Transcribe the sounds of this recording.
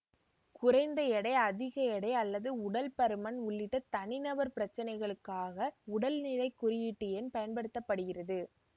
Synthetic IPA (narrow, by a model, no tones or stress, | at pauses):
kʊrɐɪnd̪ɐɛɽɐɪɐðɪɣɐɛɽɐɪɐlːɐðɯʊɽɐlpɐɾɯmɐnʊɭːɪʈːɐt̪ɐnɪnɐbɐɾpɪɾɐt͡ʃːɐnɐɪɣɐɭɯkːaːɣɐʊɽɐlnɪɻɐɪkːʊɾɪjɪʈːɯjɛnpɐjɐnpɐɽɯt̪ːɐpːɐɽɯɣɪrɐðɯ